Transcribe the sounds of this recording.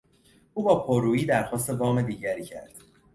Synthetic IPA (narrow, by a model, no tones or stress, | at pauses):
ʔuːbɒːpʰoɾuːiːd̪æɾxɒːst̪e̞bɒːme̞d̪iːɟæɾiːcʰæ̰ɾd̪̥